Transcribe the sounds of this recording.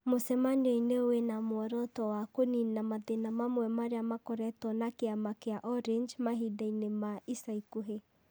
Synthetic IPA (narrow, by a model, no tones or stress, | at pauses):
mosɛmanɔineowenamoɔɾɔtɔwakoninamaðenamamwɛmaɾeamakɔɾɛtɔnakeamakeaʔɔɾind͡ʒmaɦidainemaisaikoɦe